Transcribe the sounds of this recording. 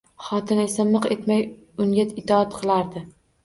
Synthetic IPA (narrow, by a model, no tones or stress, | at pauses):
χɒt̪ʰɪne̞samɨqe̞t̪maj | ʊŋʲaɪt̪ʰɒat̪qʰɨlˠaɾd̪ɪ